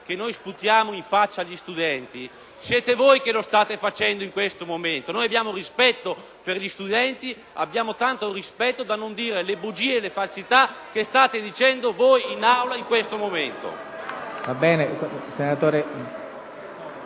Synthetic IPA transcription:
k̟enːojsput̪jaːmoiɱfat͡ʃːaʎːist̪ud̪ɛnt̪i | sjɛːt̪evojkelost̪aːt̪efat͡ʃɛnd̪oiŋkwest̪omoment̪onoːjabjaːmorispɛt̪ːo | perʎist̪ud̪ɛnt̪i | a̰bːjaːmot̪ant̪orispɛt̪ːod̪anːond̪iːɾelebud͡ʒiːeːlefalsit̪ak̟est̪aːt̪ed̪it͡ʃɛnd̪ovojinawlaiŋkwest̪omoment̪o̰ | vabɛːnesenat̪oːɾe

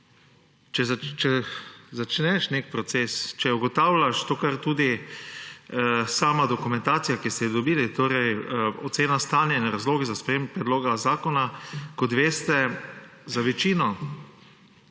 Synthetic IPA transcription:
t͡ʃɛzt͡ʃɛzat͡ʃnɛʃnek̚pɾɔt̪sest͡ʃɛuɡɔt̪aːwlaʃt̪oːkaɾt̪uːd̪i | saːmad̪okumɛ̃nt̪aːt̪sijakist̪ɛd̪ɔbiːlit̪oːɾɛjot̪seːnast̪aːnjainɾazloːɡizaspɾɛjembpɾɛd̪loːɡazaːkɔnakɔt̪ʋeːst̪ɛ | zaʋɛt͡ʃiːnɔ

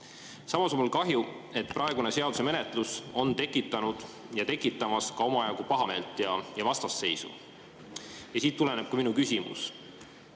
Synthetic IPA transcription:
sɑmɑso̞nmulkɑɦjue̞t̪̚ːˑpɾʔɑe̞ɡ̥une̞se̞ɑd̪u̥se̞me̞ne̞t̪ˑluso̞nt̪e̞kːˑit̪ːˑɑnud̪̥ | jɑt̪e̞kːˑit̪ːˑɑmɑskɑo̞mɑjɑɡupɑɦɑme̞ːlt̪ˑjɑjɑvɑst̪ɑsːe̞jsṵ | jɑsiːt̪ːule̞ne̞b̥̚kɑminukysʲimṵs

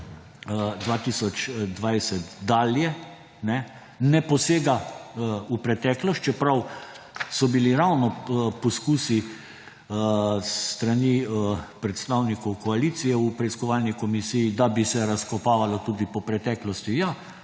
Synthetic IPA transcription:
d̪ʋaːt̪isɔt͡ʃd̪ʋajsɛt̪d̪aːljɛ | nɛ | nɛpɔseːɡa | upɾɛt̪ɛːklɔst̪t͡ʃɛpɾaw | sɔbiliɾawnɔpɔskuːsi | st̪ɾanipɾɛt̪st̪awnikɔwkɔaliːt̪sijɛupɾɛiskɔʋaːlnikɔmisijːd̪abisɛɾaskɔpaːʋalɔt̪uːd̪ipɔpɾɛt̪ɛklɔst̪jija

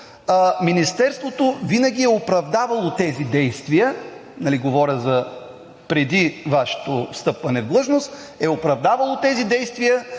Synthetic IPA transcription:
minist̪ɛɾst̪vot̪ovinəɡ̟ʲiɛopɾɐvd̪avɐlˠot̪ɛzid̪ɛjst̪vijənɐliɡovɔɾʲəzɐ | pɾɛd̪ivaʃɛ̥t̪ofst̪ɤpvɐnɛvd̪lˠɤʒnost̪ | ɛʊpɾɐvd̪avɐlˠot̪ɛzid̪ɛjst̪vijə

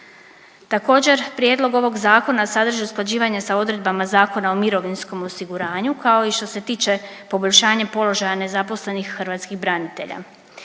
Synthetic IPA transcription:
t̪ako̞ːd͡ʑe̞ɾpɾjed̪lˠo̞ɡo̞ʋo̞ɡzaːko̞nasad̪r̩ʒiusklˠad͡ʑiːʋaɲesao̞d̪ɾe̞d̪̚bamazaːko̞nao̞miɾo̞ʋinsko̞mo̞siɡuɾaːɲukao̞iʃt̪o̞se̞t̪iːt͡ʃe̞ | po̞boʎʲʃaːɲepo̞lo̞ʒajane̞zapo̞sle̞nixxr̩ʋat̪skiɣbɾanit̪e̞̰ʎa̰

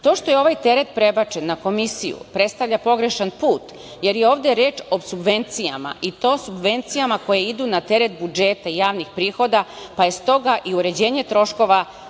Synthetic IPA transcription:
t̪o̞ːʃt̪ojeo̞ʋajt̪e̞ɾet̪pɾe̞bat͡ʃenːako̞misijṵpɾet̪st̪aʋʎʲapo̞ɡɾeʃanpuːt̪ | je̞ɾjeo̞ːʋd̪eɾe̞ːt͡ʃo̞subʋe̞nt̪sija̰ma̰ʔit̪o̞ːsubʋe̞nt̪sijamako̞jeid̪uːnat̪e̞ɾet̪̚bud͡ʒet̪aijaːʋnixpɾiːxo̞d̪apaje̞st̪o̞ɡaʔiuɾe̞d͡ʑeːɲe̞t̪ɾo̞ʃko̞ʋa

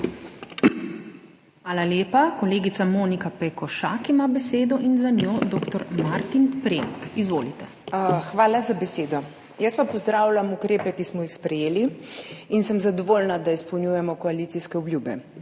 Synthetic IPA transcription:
xʋaːlaleːpakɔleːɡit̪samoːnikapɛkɔʃa̰kimabɛseːd̪ɔʔinzanjoːd̪oːkt̪ɔɾmaɾt̪inpɾeŋkizʋoːlit̪ɛ | xʋaːlazabɛseːd̪ɔ | jəspapɔzd̪ɾaːwlamukɾeːpɛkismɔjixspɾɛjeːliinsəmzad̪ɔʋolnad̪aispɔwnʲjujɛmɔkɔaliːt̪siskɛubljubɛ

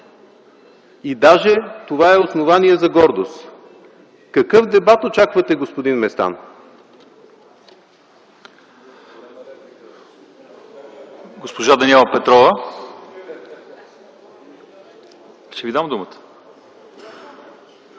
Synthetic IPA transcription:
id̪aʒɛt̪ovaɛosnovaniɛzɐɡɔɾd̪ost̪ | kɐkɤfd̪ɛbat̪ot͡ʃakvɐt̪ɛɡospod̪inmɛst̪a̰n | ɡospoʒad̪ɐniɛlˠɐpɛt̪ɾɔvə | ʃt̪ɛvid̪amd̪umət̪ə̥

